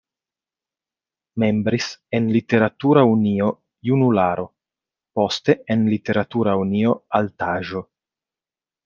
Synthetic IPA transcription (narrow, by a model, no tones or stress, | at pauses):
me̞mbɾise̞nlite̞ɾatuɾaunio̞ | junulaɾo̞ | po̞ste̞enlite̞ɾatuɾaunio̞altaʒo̞